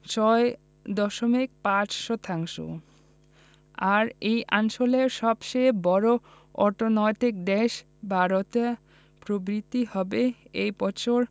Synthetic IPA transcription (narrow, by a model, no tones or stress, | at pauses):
t͡ɕɔe | d̪ɔʃomik̚pat͡ɕʃot̪ʰaŋʃo̰ | aɾejʔaŋʃoleɾʃɔbʃebɔɾo | ɔɾʈonɔjt̪ik̚d̪eʃ | bʱaɾot̪e | pɾobɾit̪ːihɔbeejpɔt͡ɕʰoɾ